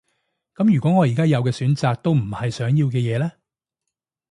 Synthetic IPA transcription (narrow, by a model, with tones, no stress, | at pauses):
kɐ˨˥mjyː˨kɔ˨˥ŋɔː˨˧jiː˨˩kaː˥jɐ˨˧wkɛː˧syː˨˥nt͡saː˨k̚t̪o˥wm̩˨˩hɐ˨jsœː˨˥ŋjiː˧wkɛː˧jɛː˨˧lɛː˥